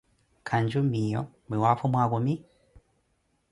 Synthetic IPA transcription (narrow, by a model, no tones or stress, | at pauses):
kʰand͡ʒumijɔ | miwafumwaɣumi